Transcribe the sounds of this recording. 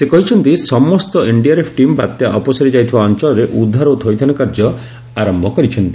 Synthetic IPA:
sekɔɦit͡ʃʰɔnt̪isɔmɔst̪ɔiɳɖiaɾepʰʈimba̰t̪jaʔɔpɔsaɾid͡ʒajt̪ʰibaɔnt͡ʃɔlɔɾeʔud̪ʱːaɾɔwt̪ʰɔjt̪ʰanɔkaɾd͡ʒɔ | aɾɔmbʱɔkɔɾit͡ʃʰɔnt̪i̥

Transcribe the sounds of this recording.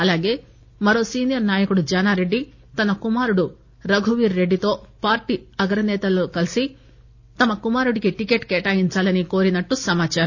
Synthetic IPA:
ɐlaːɡe̞ː | mɐɾo̞ːsiːnijɐɾnaːjɐkuɽud͡ʒɐnaːɾe̞ɖːi | t̪ɐnɐkumaːɾuɽu | ɾɐɡʱuʋiːɾːe̞ɖːit̪o̞ːpaːɾʈiɐɡɾɐnɛːt̪ɐloːkɐlisi | t̪ɐmɐkumaːɾuɽiɡiʈike̞ːʈkeːʈaːjiɲt͡ʃaːlɐniko̞ːɾinɐʈːusɐmaːt͡ʃaːɾɐ

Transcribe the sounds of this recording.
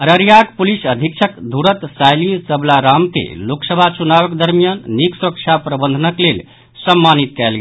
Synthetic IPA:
əɾəɾijaɡpulisəd̪ʱik̚t͡ʃʰəkd̪ʱuɾət̪sajlisəblaɾamkḛloksəbʱat͡ʃunaβəkd̪əɾmijanːiksuɾək̚t͡ʃʰapɾəbənd̪ʱənəklel | səmːanit̪̚kɛlɡɛ

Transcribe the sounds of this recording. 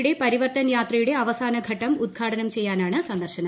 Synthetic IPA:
ɽe̞pɐɾiʋɐrt̪ɐnjaːt̪rɐjuɽe̞ɐʋɐsaːnɐɡʱɐʈːɐmud̪̚ɡʰʱaːʈɐnɐmt͡ɕe̞jːaːnaːɳɨsɐnd̪ɐrɕɐnɐ

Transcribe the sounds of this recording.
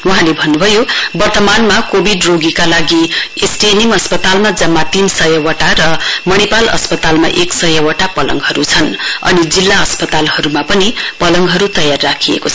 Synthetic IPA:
uɦãlebʱʌnːubʱʌjobʌrt̪ʌmanmakobʱiɖroɡikalaɡiesʈeniŋʌspʌt̪almad͡zʌmːat̪insʌjʌwʌʈaɾʌmʌɽipalʌ̰spʌt̪alma̰ʔeksʌjʌwʌʈapʌlʌ̰ŋɦʌɾut͡sʰʌnʌ̰nid͡zilːaʌspʌt̪alhʌɾumapʌnipʌlʌŋɡɦʌɾut̪ʌjarːakʰijḛkoʌ

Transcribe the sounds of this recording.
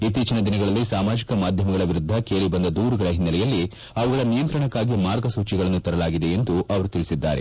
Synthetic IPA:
it̪ːiːt͡ʃɐnɐd̪inɐɡɐɭɐlːisaːmaːd͡ʒikɐmaːd̪ʱjɐmɐɡɐɭɐʋiɾud̪ʱːɐkeːɭibɐnd̪ɐd̪uːɾuɡɐɭɐɦinːɐlɛjɐlːi | ɐʋɐɡɐɭɐnijɐnt̪ɾɐɳɐkːaːɡimaːɾɡɐsuːt͡ʃiɡɐɭɐnːut̪ɐɾɐlaːɡid̪e̞end̪uʔɐʋɐɾut̪iɭisid̪ːa̰ːɾe̞̰

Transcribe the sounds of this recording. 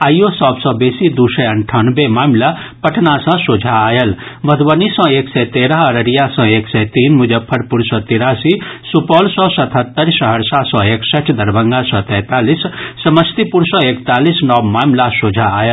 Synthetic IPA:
aːjosɔbsɔ̃beːsid̪usɐɐɳʈʰanbemaːmla | pəʈʰnasə̃sod͡ʒʱaːjəl | mɐd̪bənisɔ̃eːksɛt̪eːɾəɦəɾəɾijasɔ̃eːksɛt̪iːnmud͡ʒəb̚pʰːɐɾpuɾsɔ̃t̪iɾasisupɔːlsɔ̃sɐt̪ʰət̪ːəɾsəɦəɾsasɔ̃eːksəʈʰd̪ɐɾbəŋɡasɔ̃t̪ɛ̃ːt̪aːlisːɐməst̪ipuɾsɔ̃ekt̪aːlisnɔbmaːmlasod͡ʒʱaaːjəl

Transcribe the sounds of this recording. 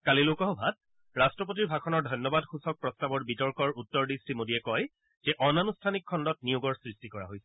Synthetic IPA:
kalilʊkɔɦɔbʱat̚ | ɹastɹɔp̬ot̬iɹbʱakʰɔnɔɹdʱɔjnːɔbadxusɔk̚pɹɔstabɔɹbitɔɹkɔɹutːɔɹdisɹimodiɛkɔj | zɛʔɔnanustʰanikʰːɔndɔt̚nijuɡɔɹsɹistikɔɹa̰ɦojsɛ̥

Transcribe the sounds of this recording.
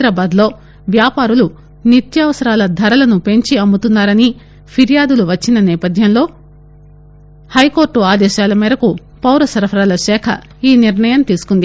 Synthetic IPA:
ɾaːbaːd̪lo̞ː | ʋjaːpaːɾulu | nit̪jɐʋɐsɐɾaːlɐd̪ʱɐɾɐlɐnupe̞ɲt͡ʃiɐmbut̪unːaːɾɐni | pʰiɾijaːd̪uluʋɐt͡ʃːinɐnɛːpɐd̪ʱjɐmlo̞ː | hɐjko̞ːɾʈːuaːd̪ɛːʃaːlɐmɛːɾɐku | pɐwɾɐsɐɾɐpʰɐɾaːlɐʃɛːkʰɐ̰ | iːniɾɳɐjɐmt̪iːsu̥kund̪i

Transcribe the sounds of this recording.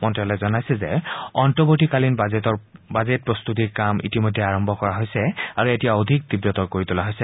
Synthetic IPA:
mɔntɹialɔjzɔnajsɛzɛɔntɔboɹtikalinbɔɹbazet̚pɹɔst̪ut̬iɹkamḭtimojdʱːɛaɹɔmbʱɔkɔɹaɦojsɛaɹuetijaodʱik̚t̪ibɹɔtɔɹkoɹit̪ulaɦojsɛ

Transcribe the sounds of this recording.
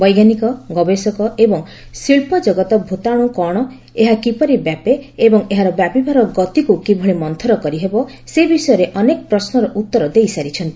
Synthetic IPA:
bɔjɡanikɔɡɔbesɔkɔebɔŋ | siɭpɔd͡ʒɔɡɔt̪ɔbʱut̪aɽ̃ukɔɽ̃ɔ | eɦakipɔɾibjapeːbɔŋeɦaɾɔbjapibʱaɾɔɡɔt̪ikukibʱɔɭemɔnt̪ʰɔɾɔkɔɾiɦebɔ | sebisɔjɔɾeʔɔnekɔpɾɔsnɔɾɔʔut̪ːɔɾɔd̪ejsaɾit͡ʃʰɔnt̪i

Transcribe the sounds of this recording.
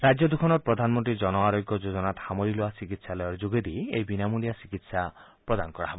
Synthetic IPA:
ɾad͡ʒjɔd̪ukʰɔnɔɾpɾɔd̪ʱanmɔnʈ̪ɾid͡ʒɔnɔaɾoɡjɔd͡ʒod͡ʒɔnat̪hamɔɾiloasikit̪salɔjɔɾd͡ʒuɡed̪iejbinamulijasikit̪sa | pɾɔd̪anɔkɔɽaɦɔbɔ

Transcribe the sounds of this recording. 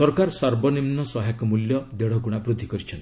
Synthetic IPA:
sɔɾkaɾsaɾbɔnimnɔsɔɦakɔmuljɔd̪eɽ̤ɔkuɽ̃abɾud̪ʱːikɔɾit͡ʃʰɔn

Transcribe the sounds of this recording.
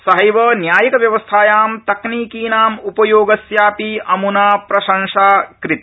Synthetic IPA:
sɐɦɐjʋɐːnjaːjɐkɐʋjɐʋɐst̪ʰaːjaːmt̪ɐkniːkiːnaːmupɐjoːɡɐsjaːpiʔɐmunaːpɾɐʃɐŋʂaːkɾit̪

